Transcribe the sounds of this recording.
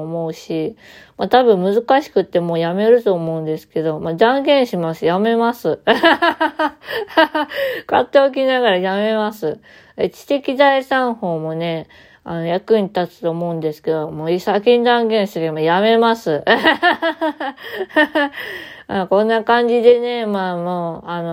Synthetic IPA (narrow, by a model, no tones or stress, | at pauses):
mo̞ɯ̟ɕi | mat̪abɯ̟̃mːmɯ̟zɨkaɕi̥kɯ̟t̪ːe̞mo̞ːjame̞ɾɯ̟t̪o̞ːmo̞ɯ̃nd̪esɨ̥ke̞d̪o̞mad̪ãŋɡẽ̞ɰ̃ɕimasɨjame̞masɨ | kat̪ːe̞ok̬ʲinaɣaɾajame̞masɨ | ḛt͡ɕi̥t̪e̞kʲid̪aisãɰ̃ho̞ːmo̞ne̞ | a̰no̞jakɯ̟ɲʲt̪at͡sɨ̥t̪o̞ːmo̞ɯ̟̃nd̪e̞sɨ̥ke̞d̪o̞moːisakʲĩnd̪ãŋɡẽ̞ɰ̃ɕit̪ekmajame̞masɨ | makõ̞nːakãɲ̟d͡ʑid̪e̞ne̞maːmoːano